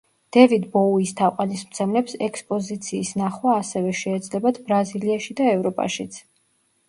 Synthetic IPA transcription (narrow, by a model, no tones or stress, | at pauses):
d̪̥ɛvid̪bɔuist̪ʰaqʼanismt̪sʰɛmlɛpsɛkspʼɔzit̪sʰiːsnaχwaːsɛvɛʃɛːd̪zlɛbad̪bɾaziliaʃid̪aɛvɾɔpʼa̰ʃit̪sʰ